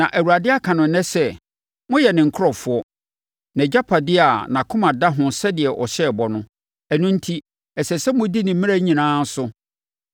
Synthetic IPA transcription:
nã˨ʔæ˨wu˨a˨dɪ˦a˦kʰã˨nʊ̃˨n˦nɛ̃˦sɛ˦ | mʊ̃˦jɛ˨nɪ̃˨ŋ̩˨kʰʊ˦ɾɔ˨fʊ˨˦ɔ˦ | nɛ̃˨d͡ʑa˦pʰa˨dɪ˦a˨nã˨kʰʊ̃˦mã˨da˦ɦʊ̃˨sɛ˦dɪ˨ɛ˨ʔɔ˨ɕɛ˦˨bɔ˨nʊ̃˦ | ɛ˨nũ˦n̩˦tʰi˦ | ɛ˨sɛ˨sɛ˦mʊ̃˦di˦nɪ̃˨m˦mɪ̃˦ɾa˦ɲĩ˨nãː˦n̩˦sʊ˦

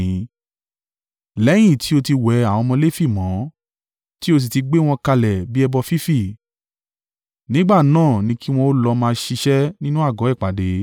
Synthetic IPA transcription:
lɛ˨˦j̃ĩ˦˨tʰi˨˦o˧ti˧wɛ˨˦a˨w̃ɔ̃˧mɔ̃˧le˦fi˦˨mɔ̃˨˦ | ti˦o˧s̬i˨ti˧ɡ͡be˦w̃ɔ̃˧ka˧lɛ˨bi˦ɛ˧bɔ˧fi˦fi˦˨ | nĩ˨˦ɡ͡ba˦˨nãː˦˨nĩ˧˦ki˦w̃ɔ̃˧o˦lɔ˧mãː˧ʃi˧ʃɛ˦nĩ˦nũ˦a˦˨ɡɔ̃˨˦ɛ˦˨k͡pa˨de˨˦

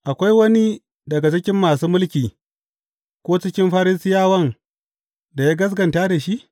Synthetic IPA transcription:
ʔa˨kʷa˦jwɐ˦ni˦ | dɐ˨ɡa˨t͡ʃɪ˦kʲɪ˦mːaː˨suː˦mʊ˦lkʲiː˨ | kʷoː˦t͡ʃɪ˦kʲɪ˦mɸa˦ɾɪ˦sɪ˦jaː˦wɐ˦ŋ | da˨ja˦ɡɐ˦s̬ɡɐ˨nta˦da˨ʃi˦ʔ

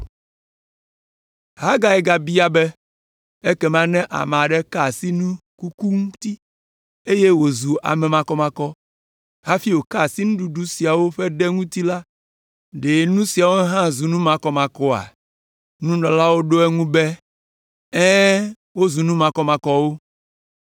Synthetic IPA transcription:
ɦa˦ɡa˨ɛ˨ɡa˨bi˦a˦bɛ˦ | e˦kɛ˦mã˦nɛ̃˦ʔa̰˨me˨a˨ɖɛ˦ka˦˨si˦nũ˦ku˦ku˦ŋũ˦t̪i˦ | e˦je˦wo˨zu˨ʔa̰˨mɛ˨mã˨kɔ˦mã˨kɔ˦ | ɦa˦fi˦wo˨ka˦˨si˦nũ˦ɖu˨ɖu˦si˨a˨wo˦ɸɛ˦ɖɛ˦ŋũ˦t̪i˦la˦ | ɖe˨nũ˦si˨a˨wo˦ɦã˦zu˨nũ˦mã˨kɔ˦mã˨kɔ˦a̰˨ | nũ˦nɔ̃˨la˦wo˦ɖo˦ɛ˦ŋũ˦bɛ˦ | ɛ̃˦ | wo˦zu˨nũ˦mã˨kɔ˦mã˨kɔ˨wo˦

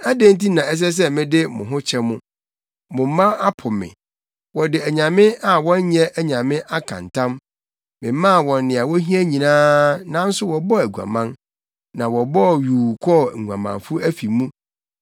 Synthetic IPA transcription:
a˦dẽ˦n˦ti˦nã˨ɛ˦s̬ɛ˦s̬ɛ˦mɪ̃˦dɪ˦mʊ̰̃˨ɦʊ̃˦t͡ɕʰɛ˦mʊ̃˦ | mʊ̃˨m̩˦mã˦a˦pʰʊ̃˨mɪ̰̃˨ | wɔ˨dɪ˨æ˨ɲã˨mɪ̃˦a˨wɔ̃˦n˦ɲɛ˦æ˦ɲã˨mɪ̃˦ʔa˦kʰã̰˨ntʰã˦m | mɪ̃˨˦mã˦˨wɔ̃˨n˦nɪ̃˨a˨wɔ˦ɦĩ˦æ˦ɲĩ˨nãː˦nã˦n̩˦sʊ˦wɔ˨bɔ˦æ˨ɡu˨a̰˨mã˦n | nã˨wɔ˨bɔ˦˨ɥuː˨kʰɔ˦˨ŋ̩˨ɡʷã̰˨mã̰˨nfʊ˦æ˦fi˨mũ˦

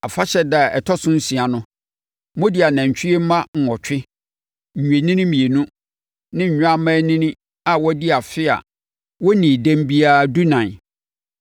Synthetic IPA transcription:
a˨fa˦ɕɛ˨da˨ɛ̰˨tʰɔ˦sʊ̃˦n̩˦sĩ˨a˨nʊ̃˦ | mõ˦di˨˦a˨nã˨ɲ˨t͡ɕʰᶣɪ˦e˦m̩˦mã˦ŋ̩˨ɔ˨t͡ɕʰᶣɪ˦ | ɲ̩˨ɲu˨e˨nĩ˦nɪ̃˦mĩ˨e˨nũ˦ | nɪ̃˦ɲ̩˨ɲᶣ˦a˦mã˦nĩ˦nĩ˦ | a˨wɔ˦di˦a˨fɪ˦a̰˨ | wɔ˦nĩ˨dæ̃˦m˦bi˦a˦du˦nã˨

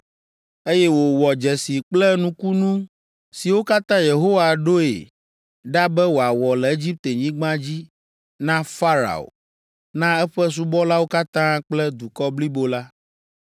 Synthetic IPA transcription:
e˦jɛ˦wo˨wɔ˨d͡ʒɛ˨si˨k͡plɛ˦nũ˦ku˦nũ˦ | si˨wo˦ka˦t̪ã˦je˨ɦo˦wa˨ɖo˦ḛ˨ | ɖa˦bɛ˦wo˨a˨wɔ˨lɛ˨e˦d͡ʑi˦p̚t̪e˨ɲĩ˦ɡ͡bã˦d͡ʑi˦ | nã˦fa˦ɾa̰˨o̰˨ | nã˦ɛ˦ɸɛ˦s̬u˦bɔ˦la˦wo˦ka˦t̪ã˦k͡plɛ˦d̪u˨kɔ˦bli˦bo˦la˦

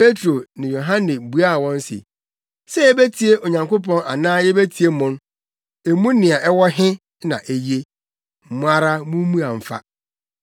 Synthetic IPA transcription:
pe˦tɾo˨nɪ̃˨jo˨ɦã˦nɪ˨bu˨˦a˦˨wɔ̃˦n˦sɪ̰˨ | sɛ˦jɛ˦be˦tʰi˨e˦ʔo˨ɲã˨ŋko˦p̬ɔ̃˦na̰˨nãː˦jɛ˦be˦tʰi˨e˦mʊ̃˦n | e˨mũ˦nɪ̃˨a˨ʔɛ˦wɔ˦ɦɪ̃˦ | nã̰˨ʔe˨je˦ | m̩˨mʊ̃˦a˦ɾa˦mũ˦mũ˦a˨m̩˨fa̰˦

